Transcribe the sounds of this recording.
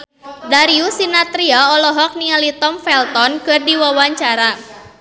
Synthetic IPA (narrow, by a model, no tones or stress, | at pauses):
daɾiusinat̪ɾiaɔlɔɦɔk̚nialit̪ɔmfɛlt̪ɔnkɨrdiwawaɲt͡ʃaɾa